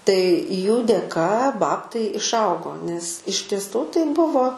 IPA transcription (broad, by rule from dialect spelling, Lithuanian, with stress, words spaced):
tɐɪ juː dʲeːˈkɐ ˈbɑːptɐɪ ɪʃˈɐʊɡoː nʲɛs ɪʃ tʲiɛˈsuː tɐɪ ˈbʊʋoː